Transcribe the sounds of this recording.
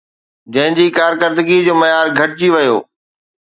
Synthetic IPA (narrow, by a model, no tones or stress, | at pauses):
d͡ʑɐ̃ɦɪ̃d͡ʑiːkaːɾkəɾd̪əɡid͡ʑoːmɐjaːɾɡʱɐʈ̚d͡ʑiʋɐjo̰ː